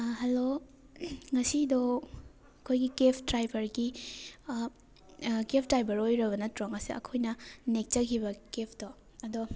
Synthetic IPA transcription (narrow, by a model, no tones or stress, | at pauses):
ɦɐlo | ŋɐsidɔ | ɐkʰojɡikepʰtɾajbɐɾɡi | kepʰtajbʱɐɾojɾɐbɐnɐtɾoŋɐsiɐ̰kʰojnɐnek̚t͡ʃɐkʰibɐkepʰtɔ | ɐdɔ